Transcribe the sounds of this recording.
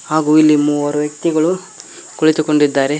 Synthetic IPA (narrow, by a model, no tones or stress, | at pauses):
haːɡuːilːimuːʋɐɾuʋjɐk̚t̪iɡɐɭu | koɭit̪ukoɳɖid̪ːaːɾe